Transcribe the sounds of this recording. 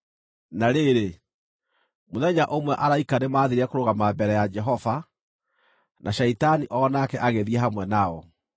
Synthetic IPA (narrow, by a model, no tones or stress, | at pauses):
naɾeɾe | moðɛɲaʔomwɛʔaɾaikanemaːðiɾɛkoɾoɣamabɛɾɛjad͡ʒɛɦɔva | nʔaʃɛitaniʔɔnakɛʔaɣeðiɛɦamwɛnaɔ